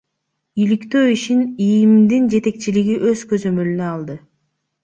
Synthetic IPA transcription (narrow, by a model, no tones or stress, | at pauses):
ilikt̪ø̞ːiʃinijimd̪ind͡ʒe̞t̪e̞k̚t͡ʃiliɡiʔø̞zkøzø̞mø̞lynøɑlˠd̪ɯ